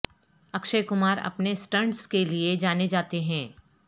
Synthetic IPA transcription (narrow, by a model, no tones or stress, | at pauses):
ɐkʃəkʊmaːɾɐ̰pnesʈɐ̃ɳɖskelied͡ʒaːned͡ʒaːt̪eɦɛ̃ː